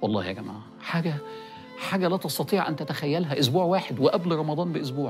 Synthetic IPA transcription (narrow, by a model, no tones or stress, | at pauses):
wɑlˤːɑ̰ːhjæɡæma̰ʕ | ħaːɡæ | ħaːɡælæt̪ɑst̪ɑt̪ˤiːʕʔænt̪æt̪æxæjːælɦæʔʊs̬buːʕwaːħed̪weʔæblɾˤɑmɑd̪ˤɑːnbɪʔos̬buːʕ